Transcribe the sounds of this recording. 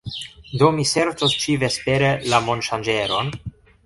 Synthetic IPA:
d̪o̞mise̞ɾt͡sost͡ʃive̞speɾelamo̞nʃand͡ʒe̞ɾo̞n

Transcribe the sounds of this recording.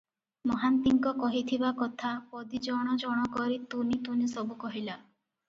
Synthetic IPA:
mɔɦant̪iŋkɔkɔɦit̪ʰibakɔt̪ʰapɔd̪id͡ʒɔɽ̃ɔd͡ʒɔɽ̃ɔkɔɾit̪unit̪unisɔbukɔɦila

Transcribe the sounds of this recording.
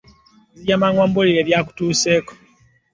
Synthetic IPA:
zijamaŋwaːmbuliɾeːβjaku̥tuːse̞ːko̥

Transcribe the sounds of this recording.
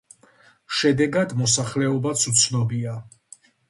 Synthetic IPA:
ʃɛd̪ɛɡad̪mɔsaχlɛɔbat̪sʰut̪sʰnɔbia

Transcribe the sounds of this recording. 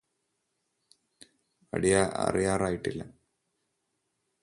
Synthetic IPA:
ɐ̰ɽijaʔɐ̰rijaːraːjiʈːilːɐ̰

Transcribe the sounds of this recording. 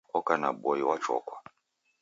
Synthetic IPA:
ɔkana̰bɔiwat͡ʃɔ̰kwa

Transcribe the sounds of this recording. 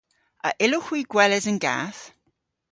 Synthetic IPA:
ʔə̰ʔɪloxwiːɡ̥wɛlɛzə̃nɡa̰θ

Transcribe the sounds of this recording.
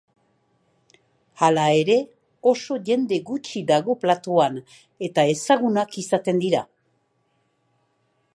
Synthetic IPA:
alae̞ɾe̞ | o̞so̞ʝe̞nd̪e̞ɣut͡ʃiðaɣ̞o̞plat̪oan | e̞t̪ae̞saɣ̞unakisat̪e̞nd̪iɾa

